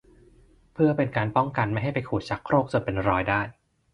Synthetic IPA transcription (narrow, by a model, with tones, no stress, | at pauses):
pʰɯ˥˩ɐpe˧nkaː˧npɔ˥˩ŋka˧nma˥˩jɦa˥˩jpa˧jkʰuː˨˩t̪̚t͡ɕʰa˦˥kʰːɾoː˥˩k̚t͡ɕo˧npe˧nɾɔː˧jdaː˥˩j